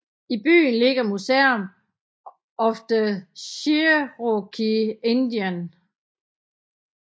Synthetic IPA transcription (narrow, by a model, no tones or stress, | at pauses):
ib̥y̰ːnle̝ɡ̥ɐmuseɐm | ɒ̽fd̥əɕiʁokʰiend̥iæn